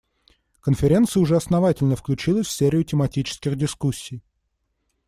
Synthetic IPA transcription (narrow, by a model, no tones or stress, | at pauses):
kənfʲɪɾʲe̞nt̪sɨjəʊʐɛɐsnɐvatʲɪlʲnəfklʲʉt͡ɕilˠəsʲfʲsʲeɾʲɪʊtʲɪmɐtʲit͡ɕɪ̥skʲɪxdʲɪskusʲːij